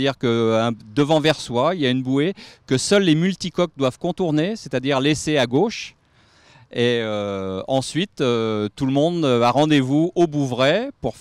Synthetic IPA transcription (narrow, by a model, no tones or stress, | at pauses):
diʁkəɛ̃d̪əvɑ̃vɛʁswailjaynbuekəsœlːemylt̪ikɔk̚d̪wav̥kɔ̃t̪uʁneset̪ad̪iʁleseaɡoʃ | eøɑ̃sɥit̪øt̪ulmɔ̃d̪øaʁɑ̃d̪evuobuvʁɛpuʁf